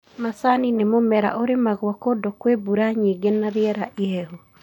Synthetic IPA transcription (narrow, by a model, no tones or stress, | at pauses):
masaninemomɛɾa̰ʔoɾemaɣwɔkodokwebuɾaɲiɡenaɾeɛɾaʔeɛhu